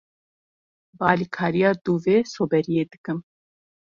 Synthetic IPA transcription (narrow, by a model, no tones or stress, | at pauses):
bɑːlikʰɑːɾijɑːd̪uːveːsoːbɛɾijeːd̪ɨkɨm